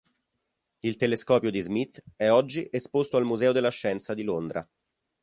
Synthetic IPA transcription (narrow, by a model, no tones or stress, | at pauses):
ilt̪eleskɔːpjod̪izmit̪ːɛɔd͡ʒːiʔespost̪oalmuzɛːod̪elːaʃːɛnt̪sad̪ilond̪ɾʔa̰